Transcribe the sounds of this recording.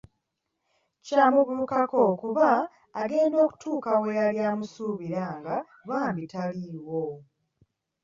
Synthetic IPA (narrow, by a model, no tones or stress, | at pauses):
caːmuβukako̞kuβaː | ɡe̞ːndo̞ːku̥tʰuːkawejaljaːmusuːβiɾaŋɡa | βaːmbitaliwo